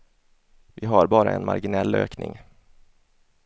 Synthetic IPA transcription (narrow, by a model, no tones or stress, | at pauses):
vɪɦaɾbɑːɾaɛnmaɾɡɪnɛlːø̰ːknɪŋ